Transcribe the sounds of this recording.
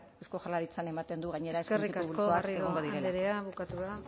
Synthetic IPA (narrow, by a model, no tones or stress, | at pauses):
ewsko̞xalaɾit͡sane̞mat̪e̞nd̪uɣ̞aɲe̞ɾaeserikauulkoarieoŋɡo̞ðiɾeeɾeaβukat̪uða